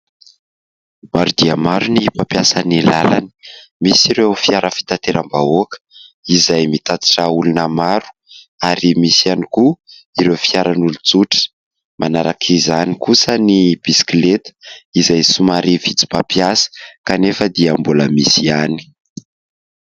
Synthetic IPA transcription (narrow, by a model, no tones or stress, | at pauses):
maɾud̪iamaɾuniipapjasanilala̰ni̥misiɾewfiaɾəfi̥t̪at̪eɾambaokə̥izajmit̪at̪i̥ʈ͡ʂaulunəmaɾu̥ | aɾimisianikuiɾewfiaɾanulut͡suʈ͡ʂə̥ | mʔanaɾakʰizanikusənib̥isi̥klet̪ə̥izajsumaɾʔivit͡si̥papjasə̥kanefəd̪iambuləmisiani̥